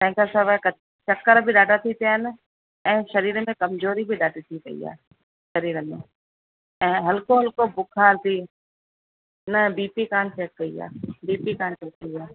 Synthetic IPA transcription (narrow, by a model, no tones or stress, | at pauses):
t̪ɛ̃ɦkasaʋakɐ | t͡ʃɐkːəɾbʱiɗaːɖat̪ʰit̪ʰijaːɦɪn | ɛ̃ːʃɐɾiːɾəmẽkɐmzoːɾibʱiɗaːɖit̪ʰikɐ̰ḭa̰ː | ʃɐɾiːɾəmḛ̃ | ɛ̃ːɦɐlkoɦɐlkobʊkʰaːɾt̪ʰiː | nɐbiːpikaːnt͡ʃɛːkːɐia̰ːbiːpikaːnt͡ʃɛːkːɐiaː